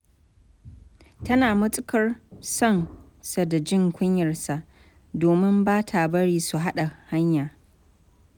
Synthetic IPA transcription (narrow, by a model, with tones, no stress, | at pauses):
tɐ˦naː˨mʊ˦t͡sʼɪ˦kɐ˦rsɔ˦˨n | sa˨da˨d͡ʒɪ˦ŋkʷʊ˦ɲjɐ˨rsa˨ʔ | doː˨mɪ˦mbaː˦tʰa˨bɐ˦ɽiː˦su˨ɦa˦ɗa˨ha˦ɲjaː˨